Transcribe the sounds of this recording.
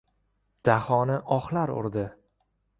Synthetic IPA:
d̪̥ahɒnɪʔɒχlaɾʊ̰ɾd̪ɪ

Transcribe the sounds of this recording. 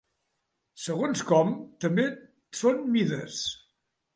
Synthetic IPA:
səɣonskɔmt̪əmbe | sonmiðəs

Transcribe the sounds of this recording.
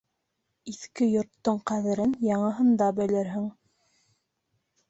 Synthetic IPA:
iθkɘjŏɾt̪ːoɴqæðɘ̆ɾɘnjɑɴɤ̆ɦɤ̆nd̪ɑbɘ̆lɘɾɦɘŋ

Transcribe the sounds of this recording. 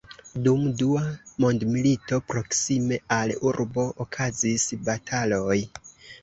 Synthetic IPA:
dumduamo̞ndmilito̞pɾo̞ksime̞aluɾbo̞ʔːkʰazisbatʰalo̞j

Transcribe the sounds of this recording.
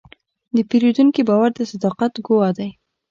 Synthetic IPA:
d̪əpeɾed̪uŋkibɑwaɾd̪əsad̪ɑqat̪ɡʊwɑd̪aj

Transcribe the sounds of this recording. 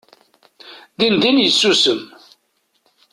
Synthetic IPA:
ðind̪injəsːusəm

